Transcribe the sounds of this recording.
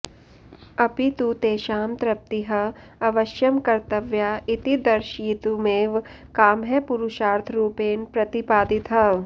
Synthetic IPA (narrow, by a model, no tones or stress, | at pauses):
ɐpit̪ut̪eːʃaːmt̪ɾɐp̚t̪iɦɐ | ɐʋɐʃjɐmkɐɾt̪ɐʋjaːit̪id̪ɐɾʃiːt̪umeːʋ | kaːmɦɛpuɾuʃaːɾt̪ʰɾuːpeːnpɾɐt̪ipaːd̪it̪ɦɐ